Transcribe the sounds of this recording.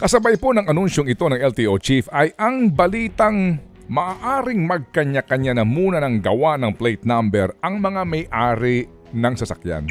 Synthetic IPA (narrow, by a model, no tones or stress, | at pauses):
kɐsɐbajponɐŋɐnunʃo̞ŋɪt̪o̞nɐŋʔɛlt̪iʔot͡ʃifɐjʔɐŋbɐliːt̪ɐŋ | mɐʔaʔaːɾɪŋmɐɡ̚kɐɲakɐɲanɐmuːnɐnɐŋɡɐwanɐŋplejt̪̚nambɛɾɐŋmɐŋamɐjʔaːɾɪ | nɐŋsɐsɐ̰kja̰n